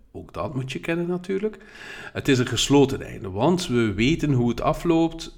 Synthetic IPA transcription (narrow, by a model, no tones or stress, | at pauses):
oːɡdɑ̰tmutjəkɛnənːatyːrlək | ətɪs̬ənχəsloːtənɛ̰jndəʋɑntʋəʋeːtənɦuətɑ̰floːpt